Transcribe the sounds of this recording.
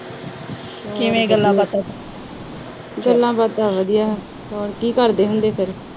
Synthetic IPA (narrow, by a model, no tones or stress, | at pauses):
kːɪʋẽːɡəlːãːbat̪a | ɡəlːãːbat̪aːʋəd̪ijaː | ɔːɾkiːkəɾd̪eːɦʊnd̪eːpʰɪɾ